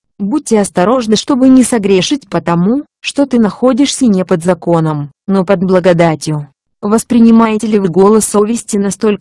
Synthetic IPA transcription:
but̚ʲtʲːɪɐst̪ɐɾo̞ʐnəʂt̪o̞bɨnʲɪsɐɡɾʲeʂɨtʲpət̪ɐmu | ʂt̪o̞t̪ɨnɐxo̞dʲɪʂsʲənʲepəd̪zɐko̞nəm | nopəd̪blˠəɡɐd̪atʲjʊ | vəspɾʲɪnʲɪmajɪtʲɪlʲɪvɨɡo̞lˠəsovʲɪsʲtʲɪnɐst̪o̞lʲ

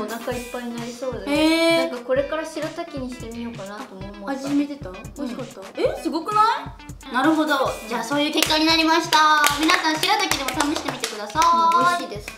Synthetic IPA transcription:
onaŋkaipːaiɲ̟inaɾʲiso̞ːd̪eenaŋkako̞ɾe̞kaɾaɕiɾat̪akʲiɲ̟iɕi̥t̪e̞mʲijo̞kanat̪o̞ːmomoad͡ʑimet̪e̞t̪aoɕi̥kat̪ːaesɨɡo̞kɯ̟nai | naɾɯ̟ɦo̞d̪o̞d͡ʑaːso̞ːjɯ̟ːke̞kːaɲ̟inaɾʲimaɕi̥t̪amʲinasãɰ̃ɕiɾat̪akʲid̪e̞mot̪amɯɕi̥t̪emʲit̪e̞kɯ̟d̪asaɕiːd̪e̞sɨ̥

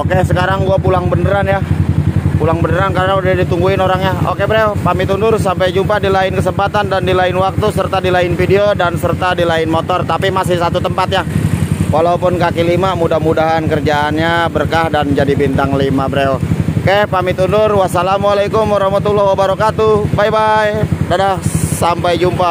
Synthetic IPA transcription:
okesəkaɾaŋɡuapulaŋbənəɾanja | pulaŋbənəɾankaɾənaudahdit̪uŋɡuɪnoɾaŋɲao̰kebəɾeopamɪt̪undʊrsampajd͡ʒumpadilaɪnkəsəmpat̪andandilaɪnwak̚t̪usərt̪adilaɪnfideodansərt̪adilaɪnmot̪ɔrt̪apimasɪhsat̪ut̪əmpat̪̚ɲawalaupʊnkakilimamudahmudaɦankərd͡ʒaːnɲabərkahdand͡ʒadibint̪aŋlimabəɾeokehpamɪt̪undʊrwasalamwalajkʊmwaɾahmat̪ulːɔhwabaɾɔkat̪ubajbajdadahsampajd͡ʒumpa

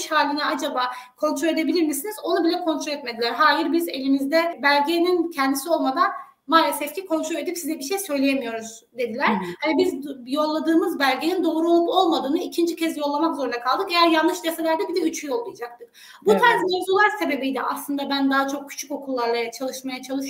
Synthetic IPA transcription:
ʃhaːlʲinɛad͡ʒabaːkʰo̞nt̪ʰɾolʲe̞d̪e̞bilʲiɾmisinizo̞nubilʲɛkʰo̞nt̪ʰɾolʲɛt̪me̞d̪ilʲæɾɦaːjiɾbize̞lʲimizd̪ɛbælʲɟenincʰɛnd̪isio̞lˠmad̪an | maːlʲesɛfcʰikʰo̞nt̪ɾo̞lʲe̞d̪ipsizɛbiʃejsø̞jlʲejemijo̞ɾuz | d̪e̞d̪ilʲæɾhanibizjo̞lˠːad̪ɯːmɯzbælʲɟenind̪o̞ːɾuolˠupo̞lˠmad̪ɯːnɯicʰind͡ʒicʰɛzjo̞lˠːamakzo̞ɾund̪akʰalˠd̪ɯke̞jæɾjanːɯʃd̪eselʲæɾd̪ɛbid̪ɛyt͡ʃʰyjo̞lˠːɯjad͡ʒak̚t̪ʰɯk | but̪ʰanzmozulˠaɾse̞be̞bijd̪ɛ̰ʔaslˠɯnd̪abænd̪aɦat͡ʃʰo̞k̚cʰːy̥t͡ʃʰyko̞kʰulˠːaɾlˠat͡ʃʰalˠɯʃmajat͡ʃʰalˠɯʃ

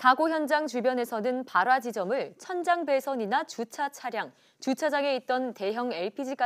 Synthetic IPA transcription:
taɡoçjʌnd͡ʑaŋt͡ɕubjʌne̞sʰʌnɯnpaɾwad͡ʑid͡ʑʌmɯɭt͡ɕʰʌnd͡ʑaŋbe̞sʰʌɲinat͡ɕut͡ɕʰat͡ɕʰaɾjaŋ | t͡ɕut͡ɕʰad͡ʑaŋe̞it̚t͈ʌnte̞ɦjʌŋe̞ɭpʰid͡ʑik͈a

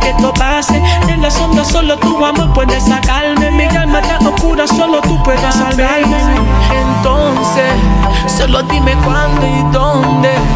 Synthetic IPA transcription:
et̪opaseẽnd̪asõmd̪asolot̪uwamepwed̪esakalmẽekamãt̪anokuɾasolot̪upwed̪esakalmẽẽnt̪onse | solot̪imekwãnd̪oid̪o | nd̪e

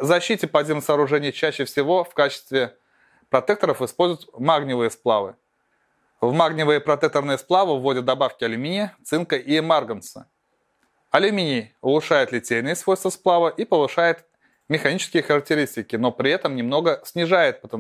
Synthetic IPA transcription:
zɐɕːitʲɪpɐzʲiməsɐːɾʊʐɛnʲɪjt͡ɕæɕːɪfsʲɪvo̞fkat͡ɕɪ̥st̪vʲɪ | pɾɐt̪ɛk̚t̪əɾəfɨspo̞lʲzʊjɪt̪maɡnʲɪvɨjəsplˠavɨ̰ | vmaɡnʲɪvɨjəpɾɐt̪ɛk̚t̪ərnɨjəsplˠavɨvːo̞dʲɪt̪̚d̪ɐbafkʲɪɐlʲʊmʲinʲɪət̪sɨnkəʔiɛmarɡənsə̥̰ | ɐlʲʊmʲinʲɪʊlˠʊʂajɪt̪lʲɪtʲejnɨjəsvo̞jst̪vəsplˠavɨʔipəvɨʂajɪt̪ | mʲɪxɐnʲit͡ɕɪskʲɪjəxəɾək̚tʲɪɾʲisʲtʲɪkʲɪno̞pɾʲɪɛt̪əmnʲɪmno̞ɡəsʲnʲɪʐajɪt̪̚pət̪ə

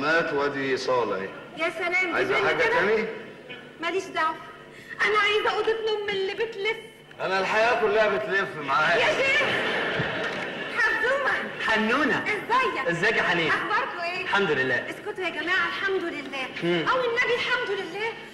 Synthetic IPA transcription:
mæːt̪wæd̪isˤɑːl̰ḛjæːsælæːmʕa̰zæħaɡækæmi | mæliːʃd̪æʕf | ʔænæʕajzæʔuːd̪et̪nomːelːibet̪lef | ʔænælħajæːkʊlːæhæbet̪lefmaʕaːjeːɑ | ħabuːmæħanːuːnæʔezzæjːæʔɪzːæːjkħaniːʔɑxbɑɾˤk̪oʔeːlħamd̪ʊlelːæːʔeskot̪hæɡæmæːʕælħamd̪ʊlɪlːæːʔæwɪnːæbilħamd̪ʊlɪlːæː

